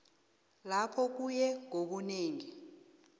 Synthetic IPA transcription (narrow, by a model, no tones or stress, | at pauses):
lapʰɔk̬ujɛŋoɓuneːŋi